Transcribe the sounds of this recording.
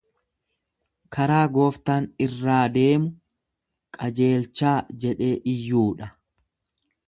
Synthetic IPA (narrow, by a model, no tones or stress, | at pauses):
kʰɐɾaːɡo̞ːft̪aːnɪrːaːd̪e̞ːmʊ | kʼɐd͡ʒe̞ːlt͡ʃːaːd͡ʒɛᶑe̞ːʔɪjːuːᶑɐ